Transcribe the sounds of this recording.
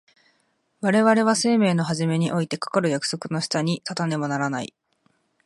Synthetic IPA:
βaɾe̞βaɾe̞β̞ase̞ːme̞ːno̞ɦaʑime̞ɲ̟iʔo̞it̪e̞kḁkaɾɯ̟jakɯ̟̥so̞kɯ̟no̞ɕi̥t̪aɲ̟it̪at̪ane̞monaɾanaḭ

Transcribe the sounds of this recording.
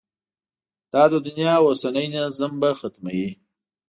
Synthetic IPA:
d̪̥ɑd̪əd̪ʊnjɑwosanəjnazəmbaxat̪mawi

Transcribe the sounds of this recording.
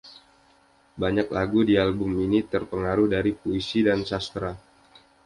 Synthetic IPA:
baɲaklaɡudialbʊminit̪ərpəŋaɾʊhdaɾipuisidansast̪ɾa

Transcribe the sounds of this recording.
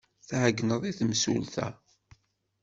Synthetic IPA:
θhəɡːnəðˤiθmsṵlθæ̰

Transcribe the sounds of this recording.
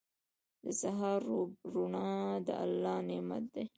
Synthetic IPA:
d̪əsaɦɑɾɾunɑd̪ə̰ʔa̰lːɑːnema̰t̪̚d̪e

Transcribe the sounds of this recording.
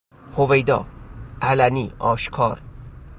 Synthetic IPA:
hove̞jd̪ɒ̰ːʔælæniːʔɒːʃkʰɒːɾ

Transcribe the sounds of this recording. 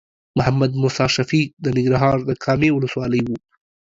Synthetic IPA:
mʊɦamːad̪mʊsɑʃafid̪ənɪŋɡɾaɦɑɾd̪əkʰɑmewʊləswɑləjwu

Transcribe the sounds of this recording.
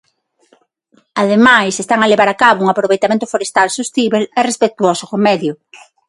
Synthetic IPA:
aðemajsest̪aŋaleβaɾakaβouŋapɾoβejt̪amẽnt̪ʊfoɾest̪alsust̪iβelɛrespek̚t̪uɔsokomɛðjʊ

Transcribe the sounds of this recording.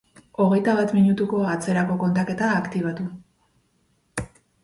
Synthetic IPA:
o̞ɣ̞e̞jt̪aβat̪miɲut̪uko̞at͡se̞ɾako̞ko̞nt̪ake̞t̪aːkt̪iβ̞at̪u

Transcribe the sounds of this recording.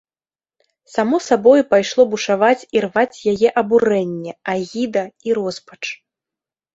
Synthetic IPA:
samɔsabɔjupajʂlˠɔbuʂavat͡sʲirvat͡sʲjajɛʔɐbuɾɛnʲːɛaɣʲid̪ɐiɾɔspɐ̥t͡ʂ

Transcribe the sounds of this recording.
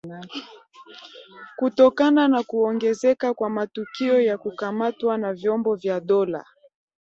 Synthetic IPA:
kutɔkananakuɔŋɡɛzɛkakwamatukiɔjakukamatwanavjɔmbɔvjaɗɔla̰

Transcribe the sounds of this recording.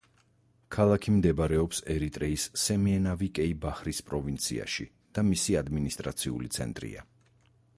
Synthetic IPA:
kʰalˠakʰimd̪ɛbɾɛɔpsɛɾit̪ʼɾɛisːɛmiɛnavikʼɛibaχɾispʼɾɔvint̪sʰḭa̰ʃḭ | d̪̥amisiad̪minist̪ʼɾat̪sʰiṵlḭt̪sʰɛ̰nt̪ʼɾḭa̰

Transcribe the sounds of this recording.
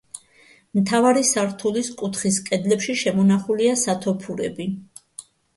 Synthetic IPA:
mt̪ʰavaɾisaɾt̪ʰuliskʼut̪ʰχiskʼɛd̪lɛpʃiʃɛmɔnaχuliasat̪ʰɔpʰuɾɛ̰bi

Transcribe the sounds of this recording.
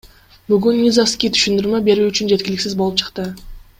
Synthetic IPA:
bʏɡʲynːʲizofskʲijt̪ʰy̥ʃynd̪yɾme̞be̞ɾuʏt͡ʃʏnd͡ʒe̞t̪̚kʲɪlɪksɪzbo̞lˠəpt͡ʃʰə̥qt̪ə

